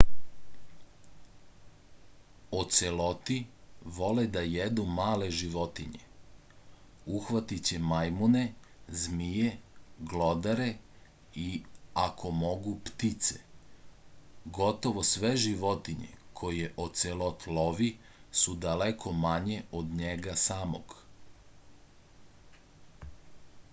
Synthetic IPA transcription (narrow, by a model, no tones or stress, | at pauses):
ot̪selo̞t̪iʋo̞led̪ajed̪umaːle̞ʒiʋo̞t̪iɲe̞̰ | uxʋat̪it͡ɕe̞majmune̞ | zmijeɡlod̪aɾe̞ | iakʰo̞mo̞ɡupt̪it̪se̥̰ | ɡo̞t̪o̞ʋosʋe̞ʒiʋot̪iɲḛkʰojeʔoselot̪loʋi | sud̪alekʰo̞maɲeod̪ɲeɡasaːmo̰ɡ